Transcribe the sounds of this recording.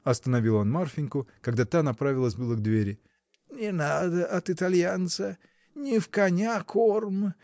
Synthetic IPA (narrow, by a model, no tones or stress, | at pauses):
ɐst̪ənɐvʲilˠonmarfʲɪnʲkʊkɐɡd̪at̪anɐpɾavʲɪlˠəsʲbɨlˠəɡd̪vʲeɾʲɪ | nʲɪnad̪əʔɐt̪ɨt̪ɐlʲjant̪sə | nʲɪfkɐnʲakʰormɨ